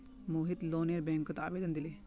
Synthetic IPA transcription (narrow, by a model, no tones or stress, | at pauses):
moːɦɪd̪loːneɾbɛ̃ːŋkːot̪aːbeːd̪ənd̪ɪle